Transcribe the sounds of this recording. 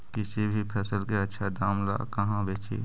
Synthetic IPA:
kɪsibʱipʰɛːsəlkeətːʃʰad̪aːmla̰ːkɐɦãbeːt͡ʃḛː

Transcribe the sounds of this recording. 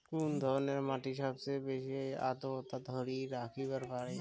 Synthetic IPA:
kund̪ʱɔɾneɾmaʈiʃɔbsebeʃia̰t̪ot̪ad̪ʱɔɾiɾakʰibəɾpaɾe

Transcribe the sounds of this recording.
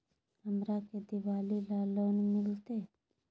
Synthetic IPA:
ɐmɾaːked̪iʋaːlilaːloːnumilt̪eː

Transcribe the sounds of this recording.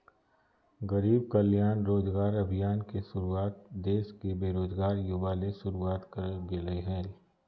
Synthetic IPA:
ɣɐɾiːb̚kəljaːnɾoːd͡ʒɡaːɾɐbʱijaːnkeʃʊɾuaːt̪̚d̪eːʃkebeːɾoːzɡaːɾjʊʋaːlesʊɾuaːt̪kɐɾɡeleɦɛːl

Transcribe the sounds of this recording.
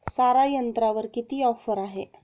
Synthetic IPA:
saɾajənt̪ɾaʋəɾkit̪iːɔfəɾaɦe

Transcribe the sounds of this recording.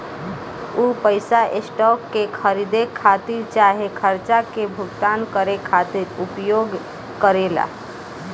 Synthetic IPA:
upəɪsaʔesʈɔkːekʰəɾid̪ekʰːat̪iɾt͡ʃaɦekʰəɾt͡ʃakebʱʊɡt̪ankəɾekʰat̪iɾupjoɡ | kəɾela̰

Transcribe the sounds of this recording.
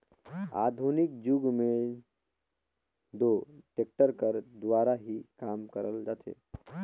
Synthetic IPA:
a̰d̪ʱunikd͡ʒuɡme | d̪oʈek̚ʈəɾkəɾd̪ʋaɾaɦikamkəɾəld͡ʒat̪ʰḛ

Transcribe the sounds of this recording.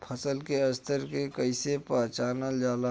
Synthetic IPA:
pʰəsəlkeɐst̪ʰəɾkekəɪsepãːt͡ʃaːnəd͡ʒaːla

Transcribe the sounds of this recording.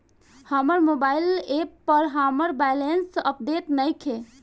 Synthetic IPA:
həməɾmobaɪlepːəɾɦəməɾbɛjlensəp̚ɖ̪et̪nəɪkʰe

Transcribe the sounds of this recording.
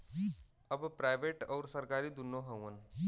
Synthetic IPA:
ɐbpɾaːɪʋeːʈɔːɾsɐɾkaːɾid̪ʊnːõɦɐũən

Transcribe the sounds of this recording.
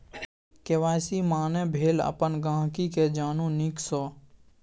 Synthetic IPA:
keʋaːɪsimaːnẽbʱeːlə̰pənɡãːɦkiked͡ʒaːnũniksɔː

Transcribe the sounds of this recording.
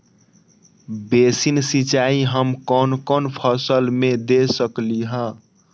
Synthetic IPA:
besinsit͡ʃaiɦəmkɔnkɔnpʰəsəlmed̪esəkliɦə̃

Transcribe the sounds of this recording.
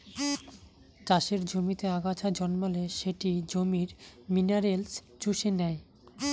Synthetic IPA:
t͡ɕaʃeɾd͡ʑomit̪eaɡat͡ɕʰad͡ʑɔnmaleʃeʈid͡ʑomiɾminaɾels | t͡ɕuʃenɛj

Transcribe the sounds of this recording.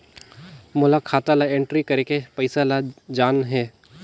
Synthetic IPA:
mʊlakʰaːt̪alaẽɳʈɾikɐɾekepɐɪsalad͡ʒaːnɦɛː

